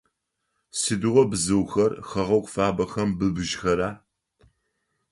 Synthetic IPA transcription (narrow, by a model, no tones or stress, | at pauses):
sɨdɨʁʷɔbzɨwxɐrxɐʁɐwkʷʼfaːbɐxɐmbɨbɨʒxɐɾaː